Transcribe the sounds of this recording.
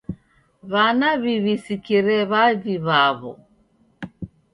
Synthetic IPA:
βanaβiβisikiɾɛβaðiβaβɔ̰

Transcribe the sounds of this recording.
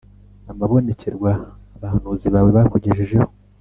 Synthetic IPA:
amaβo̞ne̞ce̞ɾɡwaːβahan̥uziβaːwe̞βakoɟeʒeʒe̞ho

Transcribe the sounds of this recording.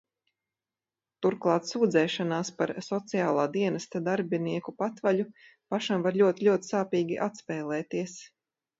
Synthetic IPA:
t̪uɾklˠɑːt̪suːd̪zɛːʃanaːspaɾsɔt̪sijaːlˠaːd̪iɛnɐst̪ad̪aɾbiniɛkupat̪vaʎu | paʃamvaɾʎʲuɔt̪iʎʲuɔt̪i̥saːpiːɡʲiʔat̪spɛːlˠɛːt̪iɛs

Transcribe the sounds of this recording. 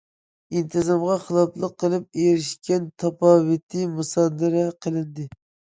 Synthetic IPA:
int̪ʰɨzɑmʁɑχəlˠɑplˠəqːəlˠɨp̚ejɾɪʃkʲɛnt̪ʰɑpɑːwɨt̪ʰɨmusɑːd̪ɨɾɛqʰəlˠɨnd̪ɨ

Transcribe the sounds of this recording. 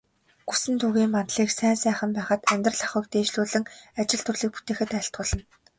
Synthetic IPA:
ɡ̥usɘ̆nt̪ʰuɣiːmpant̪ɮiːksæːnsæːχə̆mpæːχə̆t̪æmʲt̪rə̆ɮaχʊ̆ːk̚t̪eːʃɮuːɮɘ̆ŋat͡ɕɪ̆ɮt̪ʰɵrɮiːk̚pu̥t̪eːxɘ̆t̪æːɬt̪̚ɢʊ̆ːɮə̆n

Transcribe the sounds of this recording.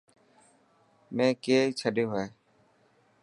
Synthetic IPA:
mɛ̃ːkeːt͡ʃʰəɖeɦeː

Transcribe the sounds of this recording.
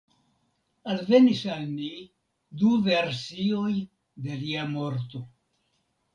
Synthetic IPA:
alve̞nisalni | duve̞ɾsio̞j | d̪e̞liamo̞ɾt̪o̞

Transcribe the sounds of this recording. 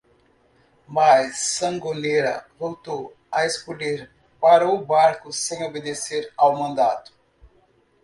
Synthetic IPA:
majsːɐ̃ŋɡoleɾɐ̰vowt̪ow | ɐeskoleɾ | paɾɐʊbaɾkʊsẽj̃obed̪eseɾawmɐ̃nd̪at̪ʊ̥

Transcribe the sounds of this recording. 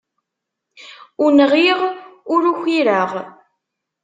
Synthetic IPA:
ʊnəʁiʁʊɾuçʷiɾəʁ

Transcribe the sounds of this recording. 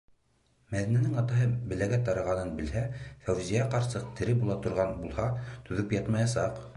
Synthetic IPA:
mæðinænɘŋɑt̪ɑɦɤbɘ̆læɡæt̪ɑɾɑʁɑnɤnbɘ̆lhæfæwzijæqɑɾsɤq̚t̪ɘ̆ɾɘbulˠɑt̪ŏɾʁɑnbulˠhɑt̪ɵ̆ðɵpjɑt̪mɑjɑsɑq

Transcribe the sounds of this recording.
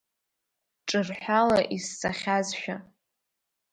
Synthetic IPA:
ʈ͡ʂʼɨrħʷᶣalaʔisːaχʲazʃᶣa

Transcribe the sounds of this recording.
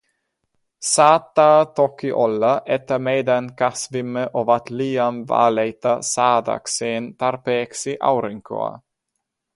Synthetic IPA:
saːt̪ːaːt̪ɔkːiʔɔlːaʔɛt̪ːameːd̪ankasvimːəʔovat̪liːamva̰ːlejt̪asaːd̪a̰kseːnt̪aɾpeːksiʔa̰wɾiŋkʰo̰a̰

